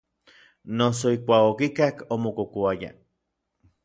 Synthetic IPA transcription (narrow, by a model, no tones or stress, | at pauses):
nos̬oikʷaːkokikakomokokoaja̰